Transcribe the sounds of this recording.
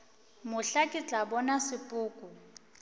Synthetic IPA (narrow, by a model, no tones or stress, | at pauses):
mʊɬakʼit͡ɬʼabɔnasɪpʼʊːkʼʊ